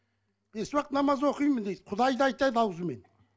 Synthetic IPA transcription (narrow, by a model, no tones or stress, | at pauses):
eswɑqt̪nɑmɑzwo̞qijmənd̪ed̪̥qʰʊd̪ɑjd̪ɑɑjt̪ɑjd̪ɑwzəmen